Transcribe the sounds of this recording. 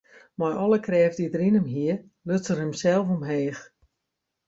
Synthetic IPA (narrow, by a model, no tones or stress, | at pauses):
majʔɔlˠəkrɛːvdidərinəmɦiə | løt͡sərəmsɛlˠfomɦeːx